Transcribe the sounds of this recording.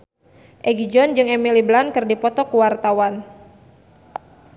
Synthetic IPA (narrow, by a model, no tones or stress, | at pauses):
ʔɛɡid͡ʒɔnd͡ʒɨŋɛmiliblankɨrdipɔt̪ɔkuwart̪awan